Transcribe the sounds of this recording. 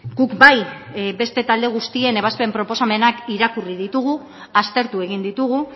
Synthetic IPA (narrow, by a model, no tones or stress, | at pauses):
ɡukbaj | be̞st̪e̞t̪ald̪e̞ɣ̞ust̪ie̞ne̞β̞aspe̞mpɾo̞po̞same̞nakiɾakurið̞it̪uɣ̞u | ast̪e̞ɾt̪ue̞ɣ̞ind̪it̪uɣ̞u